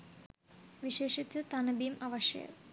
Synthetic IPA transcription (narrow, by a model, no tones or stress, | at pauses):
ʋiʂeːʂit̪ɨt̪ɐnɐbimʔɐʋɐʂjɐ̰jɐ̰